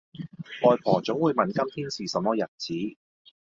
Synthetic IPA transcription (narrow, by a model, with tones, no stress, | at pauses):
ʔɔː˨jpʰɔː˨˩t͡sʊ˨˥ŋwuː˨˧jmɐ˨nkɐ˥mt̪ʰiː˥nsiː˨sɐ˨mɔː˥jɐ˨t̚t͡siː˨˥